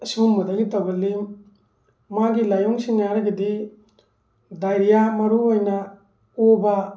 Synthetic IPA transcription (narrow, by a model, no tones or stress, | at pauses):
sumːɐdaɡitabɐlim | maɡilajɔŋsiŋaɾɐɡedi | dajɾijamɐɾuojna | oba